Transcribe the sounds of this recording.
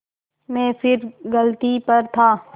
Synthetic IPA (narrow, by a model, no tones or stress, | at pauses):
mɛ̃ːfɪɾɡɐlt̪ipɐɾt̪ʰaː